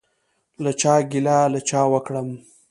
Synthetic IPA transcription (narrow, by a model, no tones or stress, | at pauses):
lat͡ʃɑɡilalat͡ʃɑwəkɽəm